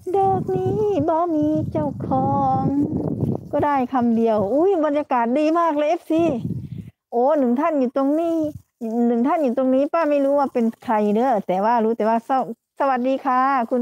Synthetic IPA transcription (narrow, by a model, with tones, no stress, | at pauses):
doː˧˩k̚niː˧˥bɔː˧˦miː˧˥ka˧˥˩wkʰɔː˧˦ŋ | kɔː˧˩daː˧˥˩jkʰa˧mdi˧əwʔuː˧˥˨jbɔ˧njaː˧kaː˨˩t̪̚diː˧˦baː˥˩k̬̚le˧˥˦p̚si˧˥ | ʔoː˨˧˦nɯ˨˩˦ŋt̪ʰa˧˥˩njuː˨˩t̪o˧ŋniː˧˩˨ | nɯ˨˩˦ŋt̪ʰa˧˥˩njuː˨˩t̪o˧ŋniː˦˥˨paː˧˥˩ma˥˩jluː˦˥˦waː˧˩pe˧˨nt̪ʰa˧jdɤː˧˥˨t̪ɛː˨˩waː˧˩luː˦˥t̪ɛː˨˦waː˧sa˧˩ | sa˧wa˨˧˦t̪̚diː˧˦kʰaː˧˩˨kʰu˧n